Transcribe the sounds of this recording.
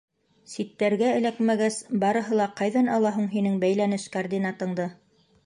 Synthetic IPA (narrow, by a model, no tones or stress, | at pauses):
sit̪ːæɾɡæɘ̆lækmæɡæsbɑɾɤ̆ɦɤ̆lˠɑqɑjðɑnɑlˠɑɦuɴɦinɘŋbæjlænɘʃkard̪ʲinɑt̪ɤ̆ɴd̪ɤ